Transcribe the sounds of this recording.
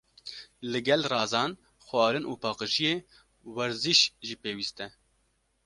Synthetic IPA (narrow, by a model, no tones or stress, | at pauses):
lɨɡɛlrɑːzɑːn | xwɑːɾɨnʔuːpʰɑːqɨʒijeː | wɛɾziʃʒiːpeːwiːst̪ɛ